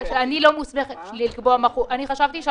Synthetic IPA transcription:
anilomusmeχelilkboamaχuʔaniχaʃavt̪iʃ

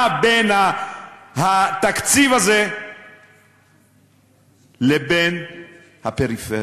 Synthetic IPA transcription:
bena | hat̪akt͡sivaze | leben | hapeʁife

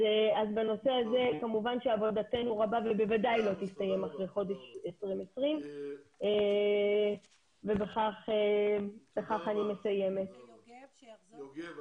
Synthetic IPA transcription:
azbeno̞seaze̞kamuvanʃeavo̞date̞nuʁabavebe̞vadajlo̞t̪istaje̞maχʁejχo̞deʃesʁimesʁime | vebeχaχebeχaχanime̞saje̞me̞t

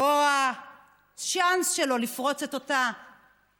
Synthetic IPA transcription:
oa | t͡ʃansʃelo̞lifʁo̞t͡setota

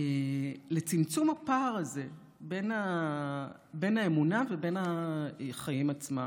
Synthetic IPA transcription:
ele̞t͡simt͡sumhapaːʁaze | be̞na | be̞naemunavebe̞na | χajimat͡sma

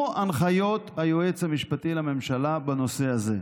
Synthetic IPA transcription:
ʔanχajo̞t̪hajoet͡shamiʃpat̪ilame̞mʃalabano̞se̞aze̞

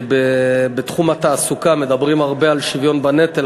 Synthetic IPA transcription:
bebet̪χumat̪aːsukame̞d̪abʁimaʁbealʃivjo̞nbane̞t̪el

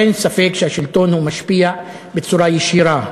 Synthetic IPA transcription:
ensafeːkʃaʃɪlt̪oːnhumaʃpija | bɪsˤuːɾˤɑjɪʃiːɾa

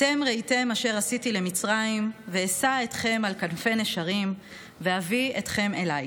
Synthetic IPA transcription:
te̞mʁejte̞maʃe̞ʁasitile̞mit͡sʁaimveːsae̞tχe̞malkanfe̞neʃaʁim | ve̞havie̞t̪χe̞me̞laj

